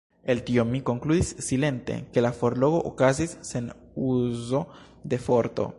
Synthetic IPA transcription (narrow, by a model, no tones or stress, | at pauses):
elt̪iomiko̞ŋkluðissile̞nt̪e̞̰ke̞lafoɾloɣoʔokazisːen | uzo̞ | d̪e̞foɾt̪o̰